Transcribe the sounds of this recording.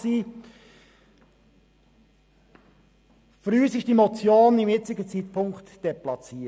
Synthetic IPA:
siː | fɾyːəsɪʃd̥imot͡sjoːnɪmjɪt͡sɪɡət͡siːtpʰʊŋktd̥eplɑt͡siː

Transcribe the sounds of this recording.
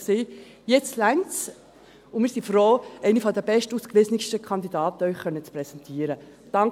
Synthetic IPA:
seː | jɛt͡stlæɪnt͡s | ʊnmɪːɾsifɾoːɛɪnifɔd̪ɛb̥ɛʃtuskʋɪznɪʃtəkʰɑnd̪idɑːtəœʏχχœnːət͡spɾɛsɛntʰiːəɾə | d̥ɑŋ

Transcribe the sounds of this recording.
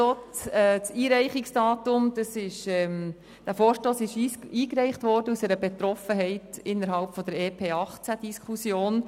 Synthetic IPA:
oːt͡sɛt͡siːɾɛɪχɪksd̥ɑːtʊmd̥ɑsɪʃɛm | d̥æːfoːɾʃtoːsɪʃiːkɾɛɪχtʋɔɾd̥əusɛɾəbet̪ɾɔfəɦɛɪtɪnːəɾɦɑlpfɔd̪əɾeːpʰeːɑχt͡sæd̥iskʰusjoːn

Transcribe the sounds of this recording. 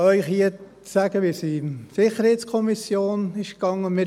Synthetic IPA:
œʏχhiə | sæːɡ̥əʋisisɪχəɾhɛɪt̪skʰɔmisjoːnɪʃkɑŋːəmɪ

